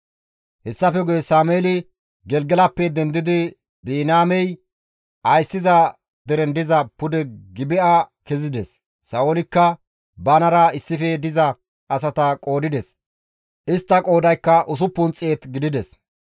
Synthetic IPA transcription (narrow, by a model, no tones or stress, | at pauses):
hɛsːɐfɛɡɔjɛsaːmeːlɪ | ɡɛlɡɛlɐpːɛd̪ɛnd̪ɪd̪ɪ | biːnaːmɛj | ɐjsːɪzɐ | d̪ɛɾɛnd̪ɪzɐpʊd̪ɛɡɪbɪʔakɛzɪd̪ɛsː | ɐolɪkːɐ | bɐnɐɾɐɪsːɪfɛd̪ɪzɐ | ʔɐsɐt̪ɐkʼo̞ːd̪ɪd̪ɛs | ʔɪst̪ːɐkʼo̞ːd̪ɐjkːɐʔʊs̬ʊpːʊnt͡sʼːeːt̪ɡɪd̪ɪd̪ɛs